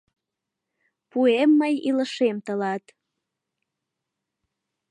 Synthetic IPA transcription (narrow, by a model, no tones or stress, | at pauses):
puemːəjiləʃemt̪əlɑt̪